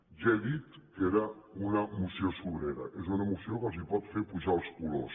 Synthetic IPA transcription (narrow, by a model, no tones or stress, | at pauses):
ʒɛðit̪keɾaunəmusjosuβɾeɾɐ̰ʔezunəmusiokəlzipɔt̪feɾpuʒalˠskulo̰s